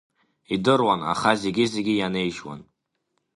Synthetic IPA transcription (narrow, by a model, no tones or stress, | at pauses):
idɨrwana̰χaze̞ɡʲizeɡʲijane̞jʃwa̰n